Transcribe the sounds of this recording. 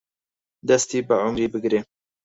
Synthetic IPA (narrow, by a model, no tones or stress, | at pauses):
d̪ɛst̪iːbɨʕʊmɾiːbɨɡɾeː